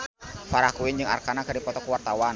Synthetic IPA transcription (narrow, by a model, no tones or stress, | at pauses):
faɾakuɪnd͡ʒɨŋa̰rkanakərdipɔt̪ɔkəwart̪awan